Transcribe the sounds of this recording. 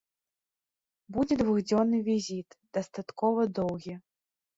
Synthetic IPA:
bud͡zʲɛd̪vuɣd͡zʲɔnːɨvʲizʲit̪d̪̥ɐst̪at̪kɔvɐd̪ɔwɣʲi

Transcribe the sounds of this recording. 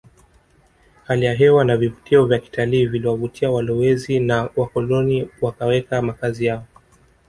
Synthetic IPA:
halijaɦɛwanavivutiɔvjaki̥taliːviliwavutʰiawalɔwɛzinawakɔlɔniwakawɛkamakazijaɔ

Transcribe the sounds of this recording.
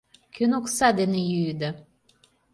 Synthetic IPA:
kønoksɑd̪enejyd̪a

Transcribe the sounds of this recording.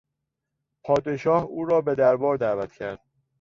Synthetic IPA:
pʰɒːd̪e̞ʃɒːhuːɾɒːbe̞d̪æɾbɒːɾd̪æːvæt̪cʰæɾd̪̥̚

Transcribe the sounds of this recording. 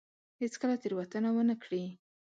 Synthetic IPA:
het͡skəlat̪eɾwat̪ənawənəkɽi

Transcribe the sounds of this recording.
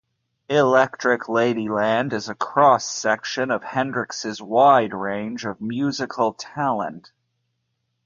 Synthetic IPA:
ɪlɛk̚tɹ̥ɨkʰleɪɾilæ̃ndɨzɨkʰɹ̥ɔsɛkʃɨ̃nʌv̥hɛ̃ndɹɨksɨzwaɪd̚ɹẽɪ̃nd͡ʒʌvmjʉzɨkʰl̩ˠtʰælˠə̰̃nt

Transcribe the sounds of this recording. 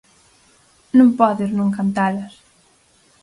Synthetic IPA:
nũŋpɔðeznũŋkant̪alɐs

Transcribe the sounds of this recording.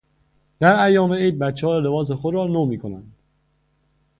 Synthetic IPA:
d̪̥æɾæjːɒːmeejd̪̚bæt̪t͡ʃːehɒːjele̞bɒːs̬exod̪ɾɒːnoːmiːkʰo̞næ̰nd̪̥

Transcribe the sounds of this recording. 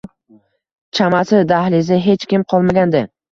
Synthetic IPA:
t͡ʃʰamasɪd̪ahlɪzɪɦe̞t͡ʃkʲɪmqʰɒlˠmaɡʲand̪ɪ

